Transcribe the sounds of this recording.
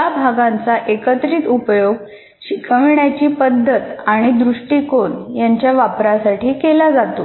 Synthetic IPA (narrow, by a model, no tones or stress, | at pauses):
abʱaɡãnt͡saʔekət̪ɾiːt̪upjoɡ | ɕikʰəʋɳjat͡ɕiːpəd̪ʱːət̪aɽ̃id̪ɾuʂʈiːkoɳjaɲt͡ɕjaʋapɾasaʈiːkelad͡zat̪o